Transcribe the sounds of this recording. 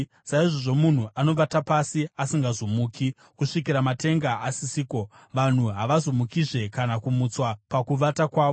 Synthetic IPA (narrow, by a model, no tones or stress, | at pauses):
saiʐoʐo̞mun̤uʔano̞ʋatapasiasiŋɡazomuːki | kuʂikiɾamate̞ŋɡaːsisiːko̞ | ʋan̤uɦaʋazomukiʐe̞kanakumut͡swapakuʋatakwaːʋo